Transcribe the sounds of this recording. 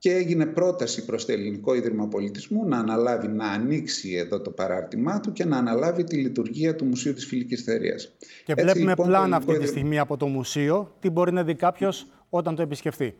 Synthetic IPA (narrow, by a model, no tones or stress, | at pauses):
ce̞eʝine̞pɾo̞t̪ɐsipɾo̞st̪oeliniko̞iðɾimɐpo̞lit̪izmunɐːnɐlɐvinɐːniksie̞ðo̞t̪o̞pɐɾɐ̰ɾt̪imɐt̪uce̞nɐːnɐlɐvit̪ilit̪uɾʝiɐt̪umusiut̪i̥sfilicisθeɾḭɐ̰s | ce̞elepume̞lɐnɐft̪iisst̪iɣmiɐpo̞t̪o̞musio̞t̪ibo̞ɾinɐðikɐpço̞s | o̞t̪ɐnt̪oe̞pisce̞fθi